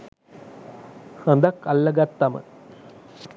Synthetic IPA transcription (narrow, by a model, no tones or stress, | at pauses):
sɐnd̪ɐkːɐlːɐɡɐt̪ːɐmə̰